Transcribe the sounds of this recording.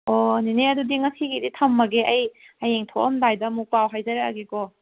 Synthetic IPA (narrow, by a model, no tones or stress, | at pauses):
ɔneneɐdudiŋɐsiɡiditʰɐmːɐɡeʔɐj | ɐjeŋtʰoʔɐmdajdɐmupawɦajzɐɾeaɡekɔ